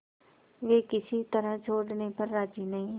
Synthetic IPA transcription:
ʋeːkɪsiːt̪əɾãːt͡ʃʰoːɖneːpəɾːaːd͡ʒiːnəĩː

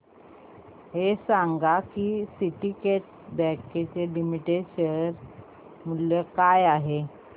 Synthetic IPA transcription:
ɦesaŋɡakisiʈikeʈ̚ | bɛket͡selimiʈeɕəɾ | muljekajaɦe

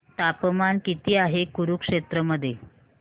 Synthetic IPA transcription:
t̪apəmankit̪iːaɦekuɾukʂet̪ɾəməd̪ʱːje

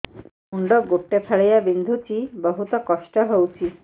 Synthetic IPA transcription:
uɳɖɔɡoʈːepʰaɭejabind̪ʱut͡ʃibɔɦut̪ɔkɔʃʈɔɦowt͡ʃʰi

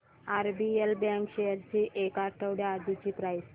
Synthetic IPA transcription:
aɾbielbãŋkɕejəɾt͡ɕiːʔekaɾʈʰəwɽjaːd̪it͡ɕiːpɾajs

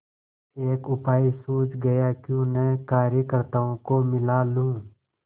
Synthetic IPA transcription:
eːkʊpaːisuːt͡ʃɡɐjakjũːnɛːkaːɾjəkəɾt̪aõkomɪlaːlũː

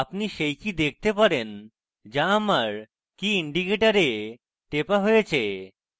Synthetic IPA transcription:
apniʃejkid̪ek̚ʰt̪epaɾen | d͡ʑaamaɾ | kiiɳɖikeʈaɾe | ʈepaɦojet͡ɕʰe

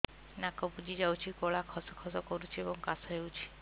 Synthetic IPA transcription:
nakɔbud͡ʒid͡ʒawt͡ʃʰikɔɭakʰɔsɔkʰɔsɔkɔɾut͡ʃʰiebɔŋkasɔɦewt͡ʃʰi̥

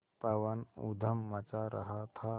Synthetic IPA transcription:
pəʋənṵd̪ʱəmːət͡ɕaɾə̰ɦat̪ʰa

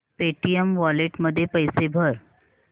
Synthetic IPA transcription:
peʈijəmʋɔleʈməd̪ʱːjepəjsebʱəɾ

